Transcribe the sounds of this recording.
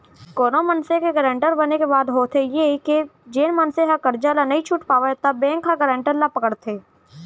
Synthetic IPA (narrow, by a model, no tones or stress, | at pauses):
koːnomɐnsekeɡəɾẽːɳʈəɾbɐnekebaːd̪ɦoːt̪ʰejeked͡ʒeːnmɐnseɦakəɾd͡ʒalanɐɦĩt͡ʃʰʊʈpaːʋat̪ɐbːɛ̃ːŋkːaɡəɾẽːɳʈəɾlapɐkəɽt̪ʰeː